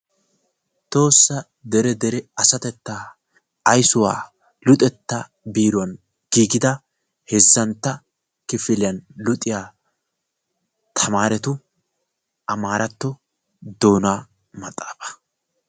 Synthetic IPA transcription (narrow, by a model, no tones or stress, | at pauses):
t̪o̞ːsːɐ | d̪ɛɾɛd̪ɛɾɛɐsɐt̪ɛt̪ːaː | ɐjsʊwa̰ː | lʊt̪ʼɛt̪ːɐ | biːɾʊɐn | ɡ̥iːɡɪd̪ɐ | hɛzːɐnt̪ːɐ | kɪfɪlɪjɐnlʊt̪ʼːɪjaː | t̪ʰɐmaːɾɛt̪ʊ | ʔɐmaːɾɐt̪ːɔ | d̪o̞ːnaː | mɐt̪ʼːaːfɐ̥